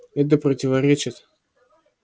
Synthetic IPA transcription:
ɛt̪̬əpɾətʲɪvɐɾʲet͡ɕɪt̪

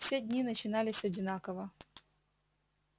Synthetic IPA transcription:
fsʲedʲnʲinət͡ɕɪnalʲɪsʲɐdʲɪnakəvə

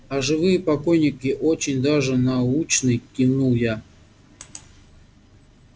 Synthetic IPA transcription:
aʐɨvɨjəpakojnʲɪkʲɪʔot͡ɕɪnʲd̪aʐɨnaut͡ɕnɨjkʲinuja

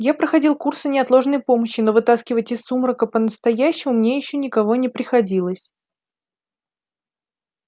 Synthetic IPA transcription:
japɾəxɐdʲilˠkursənʲɪɐt̪lˠo̞ʐnəjpo̞məɕːɪno̞vɨt̪askʲɪvətʲɪsːumɾəkəpənəst̪ɐjæɕːɪmʊmnʲejɪɕːɵnʲɪkɐvo̞nʲɪpɾʲɪxɐdʲilˠəsʲ

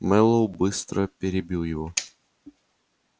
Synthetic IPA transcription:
mɛlˠowbɨst̪ɾəpʲɪɾʲɪbʲilˠjɪvo

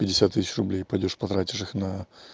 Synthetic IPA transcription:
pʲɪdʲːɪsʲat̪ːɨsʲɪt͡ɕrʊblʲejpɐdʲoʂpɐt̪ɾatʲɪ̥ʂɨxnɐ

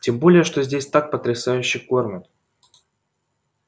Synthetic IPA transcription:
tʲembo̞lʲɪjəʂt̪ozʲdʲesʲt̪ak̚pət̪ɾʲɪsajʉɕːɪjkormʲɪn

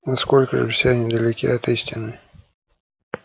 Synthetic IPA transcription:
nɐsko̞lʲkəʐɨ̰fsʲenʲɪd̪əlʲɪkʲiɐt̪isʲtʲɪnɨ

